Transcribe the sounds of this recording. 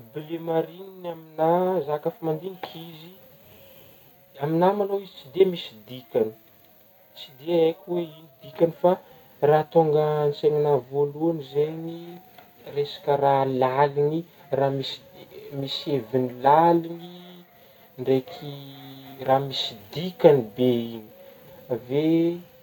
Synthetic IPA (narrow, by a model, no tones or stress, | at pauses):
bilemaɾininaminazakafamand̪iŋikʰizi | aminamanoizit͡sid̪emisid̪ikʲani̥ | t͡sid̪eekʲiweinid̪ikʲanifa | raːt̪oŋɡənseŋinavoluanizeɲi | resḁkəralalini | ramisi̥misevinilalini | ɳɖ͡ʐekʰi | raːmisi̥d̪ikanibeini̥ | ve